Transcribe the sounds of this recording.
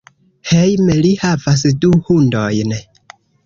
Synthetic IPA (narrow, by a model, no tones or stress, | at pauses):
hejmelihavas̬duhundojn